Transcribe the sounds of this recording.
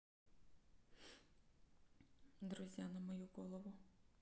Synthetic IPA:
d̪ɾʊzʲjanɐmɔjuɡɔlˠɔʋʊ

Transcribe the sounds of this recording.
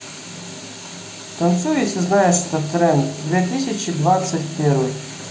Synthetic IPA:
t̪ɐnt̪sujɪsʲɐznɑjɛst̪ɐt̪ɾɛmd̪ʋʲit̪ɪsʲɐt͡ʃid̪ʋɑsʲɐtʲpɪɾʊj

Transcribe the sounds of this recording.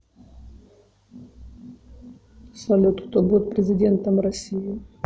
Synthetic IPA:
svɐlʲot̪ʊ̥t̪obut̪̚pɾʲɪzʲɪdʲe̞nt̪əmrɐsʲijɪ

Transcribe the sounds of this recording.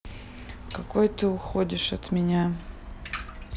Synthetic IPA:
kɐko̞jt̪ɨʊxodʲɪʂɐt̪mʲɪnʲa

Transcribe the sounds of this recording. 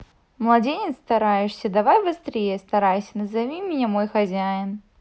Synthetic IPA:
mlˠɐdʲenʲɪt̪st̪ɐɾajɪʂsʲəd̪ɐvajbɨst̪ɾʲejəst̪ɐɾajsʲənɐzɐvʲimʲɪnʲamojxɐzʲajɪn

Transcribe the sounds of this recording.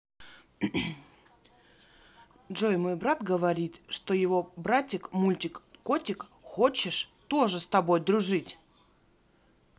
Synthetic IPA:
dʐojmo̞jbɾat̪ɡəvɐɾʲit̪ʂt̪o̞jɪvo̞bɾatʲɪkmulʲtʲɪkkːotʲɪkxo̞t͡ɕɪʂt̪oʐɨst̪ɐbo̞jd̪ɾʊʐɨtʲ

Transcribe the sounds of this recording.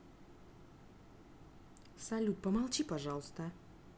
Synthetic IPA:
sɐlʲut̪̚pəmalˠt͡ɕipaʐɑlˠst̪ə

